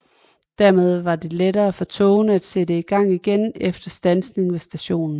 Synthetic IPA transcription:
d̥æɐmeð̞ˠʋɑ̈d̥e̝leɾɐːæfɒ̽t͡sʰɔ̰̽ʊnəæd̥sed̥əiɡ̥ɑ̈ŋ̰iɡ̥enefd̥ɐsd̥ænsne̝ŋʋesd̥æɕo̝̰ːnn̩

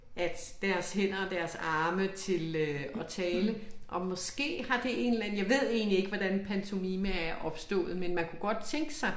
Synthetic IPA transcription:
ʔæd̥d̥æɐshen̰ɐɒd̥æɐsɑ̈ːmət͡sʰe̝lɒ̽t͡sʰɛːləʔɒ̽mɒ̽sɡ̥e̝̰ːhɑ̈d̥e̝e̝nlæn̩jɑ̈ɪʋe̝ð̞̰ˠe̝̰ːnlie̝ɡ̥əʋɒd̥ænpʰænt͡sʰo̝miməæɐʔɒ̽b̥sd̥ɔ̰̽ːð̞̩ˠmenmænkʰuɡ̥ɒ̽d̥̚t͡sʰeŋɡ̥əsɑ̈ɪ

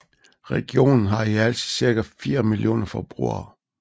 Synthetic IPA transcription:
ʁɛɡ̥jo̝̰ːnn̩ɦɑ̈iæl̰t͡sʰiðˠsiɐɡ̥æfiːɐmiljo̝̰ːnɐfɒb̥ʁṵɐ̰

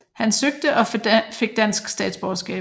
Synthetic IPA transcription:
hænsøɡ̥̚d̥əʔɒ̽fe̝ɡ̥̚d̥æn̰sɡ̥sd̥ɛ̰ːd̥sb̥ɒsɡ̥ɛ̰ː

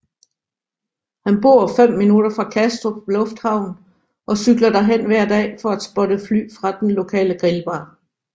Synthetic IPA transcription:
hænb̥o̝̰ɐ̰fem̰ːinud̥ɐfʁɑ̈kʰæsd̥ʁopʰɒlɔ̽fd̥hɑ̈ʊ̰n̩ | ʔɒ̽syɡ̥lɐd̥æɦen̰ʋæɐ̰d̥ɛ̰ːfɒ̽æd̥sb̥ɔ̽ɾəfly̰ːfʁɑ̈d̥enlo̝kʰɛ̰ːləɡ̥ʁilb̥ɑ̈ː

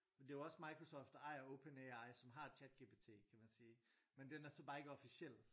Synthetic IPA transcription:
ɒd̥e̝joɒ̽smɑ̈ɪkʰʁo̝sɒːfd̥ɑ̈ɪoʊpʰeneɑ̈ɪsɒ̽mɦɑ̥̈t͡ɕʰæd̥̚ɡ̥e̝ːb̥e̝ːt͡sʰe̝̰ːkʰæmænsiːmend̥enæɐsɒ̽b̥ɑ̈ːe̝ɡ̥əɒ̽fisel̰

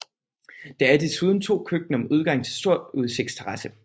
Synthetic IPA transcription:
d̥ɑ̈æɐd̥e̝suð̞ˠn̩t͡sʰo̝̰ːkʰøɡ̥̚nəɒ̽muð̞ˠɡ̥ɑ̈ŋ̰t͡sʰe̝lsd̥o̝ɐ̰duð̞ˠse̝ɡ̥̚d̥st͡sʰeʁɑ̈sə

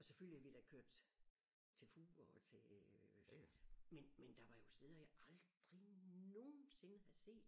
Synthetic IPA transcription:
ɒ̽seføl̰lihæʋed̥ækʰøɐ̰d̥ | t͡sʰe̝lfuːɒt͡sʰe̝ | menmend̥ɑ̈ʋɑ̈jo̝se̝ːðˠɐjäʔɑ̈ld̥ʁino̝ːn̩se̝nəhæse̝̰ːd̥

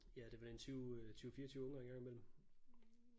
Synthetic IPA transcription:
jæd̥e̝ʋɑd̥ent͡sʰyʊt͡sʰyːʊfiːɐt͡sʰyːʊɔ̽ŋɑeŋɡɑ̈ŋimel̰m̩

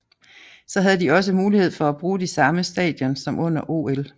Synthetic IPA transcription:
sɒ̽ɦæð̞ˠd̥iɒ̽s̬əmuːlihe̝ð̞̰ˠfɒ̽æb̥ʁuːdisɑ̈məsd̥ɛ̰ːd̥jɒnsɒ̽mʔɔ̽n̰ɐʔo̝̰el

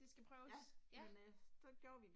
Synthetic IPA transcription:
d̥e̝sɡ̥æpʰʁœːʊsmensɒ̽ɡ̥joːɐʋi

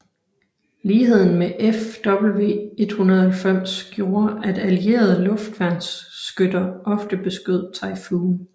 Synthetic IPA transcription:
liːɦe̝ð̞̰ˠn̩meʔefd̥ɒ̽b̥l̩ʋe̝̰ːe̝d̥hunɐð̩ˠɐhælfem̰sɡ̥jo̝ːɐʔæd̥ælie̝̰ːɐð̞̩ˠlɔ̽fd̥ʋæn̰sːɡ̥ødɐʔɒ̽fd̥əb̥e̝sɡ̥øð̞̰ˠt͡sʰɑ̈ɪfuːn

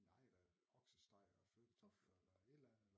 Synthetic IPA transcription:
nɑɪ̰d̥æ | ɒɡ̥səsd̥ɑ̈ɪ̰ɒføːd̥ət͡sʰɔfelɐed̥læn

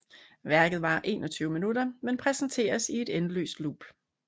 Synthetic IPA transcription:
ʋæɐɡ̥ð̩ˠʋɑ̈ʔe̝ːnɒ̽t͡sʰyːʊəminudɐmenpʰʁɛsn̩t͡sʰe̝̰ːɐsie̝d̥enlø̰ːsd̥lṵːb̥

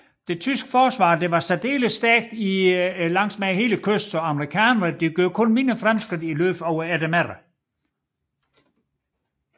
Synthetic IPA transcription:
d̥e̝t͡sʰysɡ̥ə̥fɒːsʋɑ̰̈ːd̥e̝ʋɑ̈sæd̥e̝̰ːləsːd̥æɐɡ̥̚d̥ilɑ̈ŋ̰smæɦe̝ːləkʰøsd̥sɒ̽ɑ̈məʁikʰɛːnɐʁəd̥e̝ɡ̥joɐ̰kʰɔ̽nmenɐfʁamsɡ̥ʁid̥ilø̰ːfɒʊ̰ɐæd̥æmæʁɐ

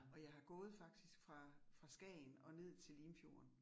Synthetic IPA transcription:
ɒ̽jɑ̈ɪhɑ̈ɡ̥ɔ̽ːð̩ˠfɑ̈ɡ̥̚d̥isɡ̥fʁɑ̈fʁɑ̈sɡ̥ɛ̰ːnɒ̽ne̝ð̰ˠt͡sʰe̝lːiːmfjo̝̰ːɐn

